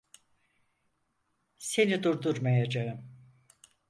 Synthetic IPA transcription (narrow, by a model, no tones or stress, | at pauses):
se̞nid̪uɾd̪uɾmajad͡ʒaɯm